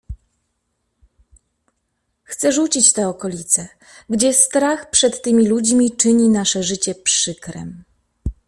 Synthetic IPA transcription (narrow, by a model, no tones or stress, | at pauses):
xt̪sɛʐut͡ɕit͡ɕt̪ɛɔkɔlʲit̪sɛ | ɡd͡ʑɛst̪ɾaxpʂɛt̪ːɘmʲilud͡ʑmʲit͡ʂɘɲinaʂɛʐɘt͡ɕɛpʂɘkɾɛ̰m